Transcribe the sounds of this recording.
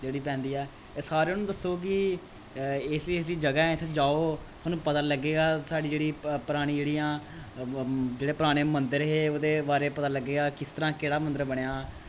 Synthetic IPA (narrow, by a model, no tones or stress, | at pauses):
d͡ʒeːɽiːpɛ̃ːnd̪iːɛː | saːɾeːnũːd̪əsːoːk̬ɪ | ɪslisd̪iːd͡ʒəɡaːɛ̃t̪ʰːd͡ʒaːoːt̪ʰoːnũːpət̪ãːləɡeːɡaːsaːɖiːd͡ʒeːɽiːpəɾaːɽ̃ĩːd͡ʒeːɽiːãː | d͡ʒeːɽeːpɾaːɽ̃eːmənd̪əɾɦeːoːd̪eːbaːɾeːpət̪aːləɡːeːɡaːkɪst̪əɾãːkeːɽaːmənd̪əɾbəɽejaː